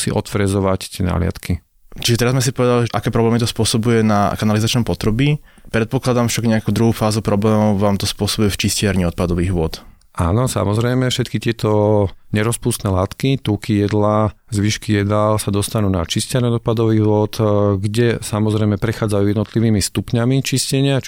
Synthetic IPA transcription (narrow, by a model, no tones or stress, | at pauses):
sḭʔɔt̪fɾɛzɔʋact̪ɪɛna̰lɪa̰t̪ki | t͡ʃiʒɛt̪ɛɾazmɛs̬ipɔʋɛd̪aliʒɛʔakɛːpɾɔblɛːmit̪ɔspʊɔsɔbujɛnakanalizat͡ʃnɔmpɔt̪ɾɔbipɾɛt̪̚pɔklad̪amfʃaɡɲɛakuːd̪ɾuɦuːfaːzupɾɔblɛːmɔʊʋaːmt̪ɔspʊɔsɔbujɛft͡ʃiscɪaɾɲiɔt̪̚pad̪ɔʋiːɣʋʊɔt̪ | ʔa̰ːnɔsa̰mɔzɾɛjmɛfʃɛt̪kit̪ɪɛt̪ɔɲɛɾɔspuːst̪nɛlaːt̪kit̪uːkijɛd̪la | zʋiːʃkijɛd̪alsad̪ɔst̪anuːnat͡ʃiscɪaɾɲɛɔt̪̚pad̪ɔʋiːɣʋʊɔt̪ɡɟɛsamɔzɾɛjmɛpɾɛxaːd͡zajuːjɛd̪nɔt̪liʋiːmist̪upɲamit͡ʃiscɛɲɪa